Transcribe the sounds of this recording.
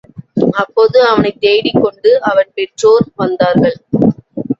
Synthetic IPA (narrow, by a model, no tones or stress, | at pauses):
ɐpːoːðɯɐʋɐnɐɪt̪ːeːɽɪkːɔɳɖɯɐʋɐnpɛʈroːɾʋɐnd̪aːɾɣɐɭ